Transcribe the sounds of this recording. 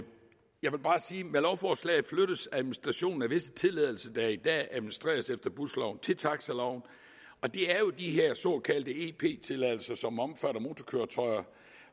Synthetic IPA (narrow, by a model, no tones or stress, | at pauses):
jɑ̈ɪʋe̝lb̥ɑ̈ːsiːmelɒʊfɒːslɛ̰ɪð̩ˠfløɾ̥ðsæðˠminisd̥ʁæɕo̝̰ːn̩æʋe̝sə̥t͡sʰe̝lɛðˠl̩sɐd̥æid̥ɛ̰ːæðˠmnisd̥ʁḛːɐsefd̥ɐb̥uslɑʊ̰n̩t͡sʰe̝lt͡sʰɑ̈ɡ̥sælɑʊn | ɒ̽d̥e̝æɐjo̝d̥iɦeɐsɔ̰kʰæld̥əe̝pʰe̝̰ːt͡sʰe̝lɛð̰ˠl̩sɐsɒ̽mɒ̽mfæɾɐmo̝ːt͡sʰɒkʰøɐt͡sʰɒ̽ɪɐ